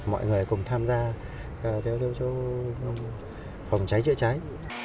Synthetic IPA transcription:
mɔ̰˧˨jŋɨ˨˩ə˩jkʊ˨˩ŋ͡mt̪ʰaː˧mzaː˧ | ʔt̪ʰɛ˨˦wt̪ʰi˨˧˦wt͡ɕo˧˦ | fa˨˩wŋ͡mt͡ɕa˨˦jt͡ɕɨ̰˧˥ət͡ɕa˨˦j

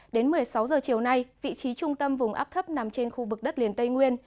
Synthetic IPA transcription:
ɗe˨˦nmɨ˨˩əjsa˨˦wzəː˨˩t͡ɕi˨˩əwna˧jvḭ˧˨t͡ɕi˨˦t͡ɕʊ˧ŋ͡mt̪ə˧mvʊ˨˩ŋ͡mʔa̰˦˥p̚t̪ʰə˦˥p̚na˨˩mt͡ɕe˧nxu˧vɨ˨˩k̚ɗə˦˥t̚li˨˩ənt̪ə˧jŋwi˧ən

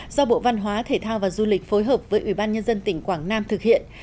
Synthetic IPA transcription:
zɔ˧ɓo̰˧˨va˧nɦwaː˨˦t̪ʰe˧˩t̪ʰaː˧wvaː˨˩zu˧lï˨˩k̟fo˨˦jɦəː˨˩p̚vəː˨˦jʔi˧˩ɓaː˧nɲə˧nzə˧nt̪ï˧˩ŋ̟kwaː˧˩ŋnaː˧mt̪ʰɨ˨˩k̚hḭ˧˨ənn

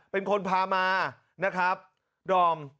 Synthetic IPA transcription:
pe˧nkʰo˧npʰaː˧maː˧ | na˦˥kʰɾa˦˥p̚ | dɔː˧m

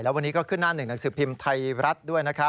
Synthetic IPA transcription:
jlɛː˦˥wa˧nːiː˦kɔː˥˩kʰɯ˥˩nːaː˥˩nɯ˨˩ŋna˩˦ŋsɯː˩˦pʰi˧mt̪ʰa˧jɾa˦˥t̪̚du˥˩əjna˦˥kʰa˦˥

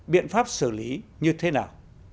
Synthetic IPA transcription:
ɓḭ˧˨ənfaː˦˥p̚sɨ˧˩li˨˦ɲɨ˧t̪ʰe˨˦naː˨˩w

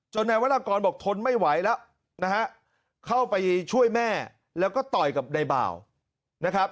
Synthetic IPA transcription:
t͡ɕo˧nːa˧jwa˦˥t̪ʔa˧kɔː˧nbɔː˨˩k̚t̪ʰo˧nma˥˩jwa˩˦jlɛ˦˥w | na˦˥ɦa˦˥ʔ | kʰa˥˩wpa˧jt͡ɕʰu˥˩əjmɛː˥˩ | lɛː˦˥wkɔː˥˩t̪ɔ˨˩jka˨˩p̚na˧jba̰ː˨˩w | na˦˥kʰɾa˦˥p̚

